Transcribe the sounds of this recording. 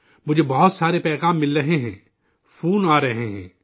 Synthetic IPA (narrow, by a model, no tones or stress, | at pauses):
mʊd͡ʒʱebɐɦʊt̪saːɾepɛːɣaːmːɪlɾɐɦeɦɛ̰̃ː | fuːnaːɾɐɦeɦɛ̰̃ː